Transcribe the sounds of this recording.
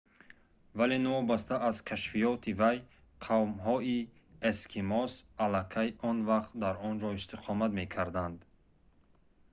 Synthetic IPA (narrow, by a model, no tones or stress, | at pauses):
valenɔɔbast̪ʰaʔazkʰaʃfijɔt̪ʰivaj | qʰavmɦɔi | eskʰimɔsalakʰajʔɔnvaqt̪d̪aɾɔnd͡ʒɔist̪iqʰɔmat̪me̞kʰaɾd̪and̪